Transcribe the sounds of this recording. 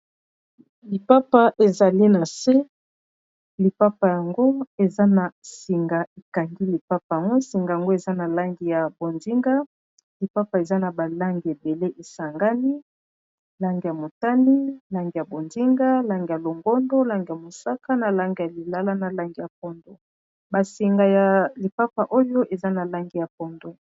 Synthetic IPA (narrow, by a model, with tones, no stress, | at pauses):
li˨pa˦pa˦ʔe˨za˨li˦na˨se˦ | li˨pa˦pa˨ja˨ŋɡo˦e˨za˦na˨si˨ŋɡa˨e˨ka˨ŋɡi˦li˨pa˦pa˨ja˨ŋɡo˦si˨ŋɡa˨ja˨ŋɡo˦e˨za˦na˨la˦ŋɡi˨ja˨bo˨ndi˦ŋɡa˦ | li˨pa˦pa˨e˨za˦na˨ba˨la˦ŋɡi˨e˨be˨le˦ʔe˨sa˨ŋɡa˦ni˦ | la˦ŋɡi˨ja˨mo˨ta˦ni˦la˦ŋɡi˨ja˨bo˨ndi˦ŋɡa˦la˦ŋɡi˨ja˨lo˨ŋɡɔ˦ndo˦la˦ŋɡi˨ja˨mo˨sa˦ka˦na˨la˦ŋɡi˨ja˨li˨la˦la˦na˨la˦ŋɡi˨ja˨p̚ɔ˦ndo˨ | ba˨si˨ŋɡa˨ja˨li˨pa˦pa˨ʔo˦jo˦ʔe˨za˦na˨la˦ŋɡi˨ja˨p̚ɔ˦ndo˦